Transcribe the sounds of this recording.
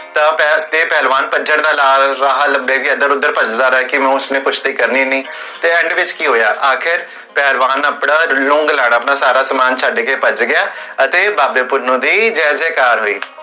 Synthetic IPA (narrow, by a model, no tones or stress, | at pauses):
t̪aːpɛt̪eːpɛːlʋaːnpəd͡ʒəɽd̪aːlaːlɾaːɦaləbeːkiːəd̪əɾʊd̪ːəɾpət͡ʃd̪aːɾɛːkɪmɛ̃ʊsnẽːkʰʊʃʰt̪iːkəɾniːnĩː | t̪eːɛ̃ːɳɖʋɪt͡ʃkiːɦoːjaːʔaːkʰɪɾ | pɛːlʋaːnəpɽaːlʊ̃ŋɡlaːɽaːpɳaːsaːɾaːsəmaːnt͡ʃʰaːɖekeːpət͡ʃɡɪjaːət̪eːbaːbeːpʊɾnõːd̪iːd͡ʒɛːseːkaːɾɦoːḭː